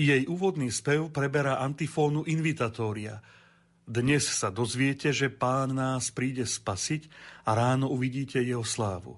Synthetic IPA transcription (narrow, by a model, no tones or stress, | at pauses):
jɛjʔuːʋɔd̪niːspɛʊpɾɛbɛɾaʔant̪ifɔːnuʔinʋit̪aːt̪ɔːɾia̰ | d̪ɲɛssad̪ɔzʋɪɛcɛʒɛpaːnːaːspɾiːɟɛspasicaɾaːnɔuʋiɟiːcʰɛjɛɦɔslaːʋṵ